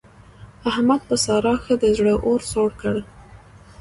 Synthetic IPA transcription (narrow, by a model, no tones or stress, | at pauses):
ahmad̪̚pəsɑɾɑxəd̪əzɽəʔoɾsoɽkəɽ